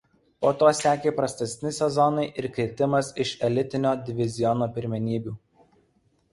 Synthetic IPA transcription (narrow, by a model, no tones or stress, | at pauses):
poːt̪oːsʲæːkʲeːpɾɐsʲt̪ʲɛsʲnʲɪsʲɛzɔnɐɪʔɪɾkɾʲɪt̪ʲɪmɐsɪʃɛlʲɪt̪ʲɪnʲoːd̪ʲɪʋʲɪzʲɪjɔnoːpʲɪɾʲmʲɛnʲiːbʲuː